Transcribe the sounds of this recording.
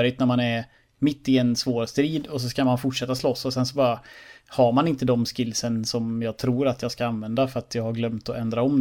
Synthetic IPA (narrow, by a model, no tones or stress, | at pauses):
ɾɪt̪̚næɾmanæɾ | mɪt̪ːɪɛnsvoːɾst̪ɾiːd̪ɔs̬ɔskamanfʊʈʂɛt̪ːaslɔsːɔsɛnsɔbɑːɾahaɾmanɪnt̪əd̪ɔmskɪlsənsɔmjɑːɡ̚t̪ʰɾuːɾat̪jɑːɡskaanvɛnd̪afœɾat̪ʰjɑːɡhaɾɡlœmt̪ɔɛnd̪ɾaɔm